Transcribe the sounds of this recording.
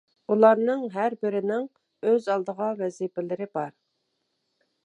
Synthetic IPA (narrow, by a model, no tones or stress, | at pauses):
ulˠɑɾnɨŋɦæɾbɪɾɪnɪŋ | øzɑlˠd̪əʁɑvɛzipɪlɪɾɪbɑɾ